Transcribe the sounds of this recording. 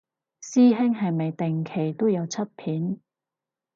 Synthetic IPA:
siː˥ɦɪ˥ŋɦɐ˨jmɐ˨jt̪ɪ˨ŋkʰe˨˩jt̪o˥wjɐ˨˧wt͡sʰɐ˥t̚pʰiː˨˥n

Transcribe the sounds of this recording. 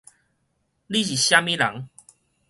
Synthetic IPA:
li˦˨ɕ̬i˨ɕja˦mĩ˦la̰˨˦ŋ

